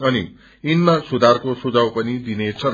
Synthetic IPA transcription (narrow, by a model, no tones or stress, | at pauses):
ʌnḭ | inmasud̪ʱarkosud͡zawpʌnid̪inet͡sʰʌ